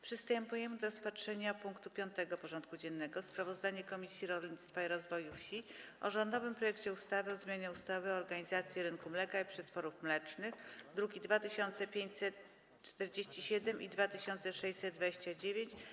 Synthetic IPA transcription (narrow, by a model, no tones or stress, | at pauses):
pʂɘst̪ɛmpujɛmɘd̪ɔɾɔspatʂɛɲapuŋkt̪upʲjɔnt̪ɛɡɔpɔʐɔnt̪̚kud͡ʑɛnːɛɡɔspɾavɔzd̪aɲɛkɔmʲisʲjiɾɔlʲɲit̪st̪faiɾɔzvɔjufɕiɔ̰ʐɔnd̪ɔvɘmpɾɔjɛkt͡ɕɛust̪avɘɔzmʲjaɲɛust̪avɘɔɾɡaɲizat̪sʲjɛɾɘnkumlɛkaipʂɛt̪fɔɾufmlɛt͡ʂnɘxd̪ɾuɡʲid̪vat̪ɘɕɔnt̪sɛpʲjeɲt͡ɕsɛt̪ | t͡ʂt̪ɛɾd͡ʑeɕt͡ɕiɕɛd̪ɛmʔid̪vat̪ɘɕɔnt̪sɛʂɛjsɛd̪̚d̪vad͡ʑeɕt͡ɕad͡ʑevʲjeɲt͡ɕ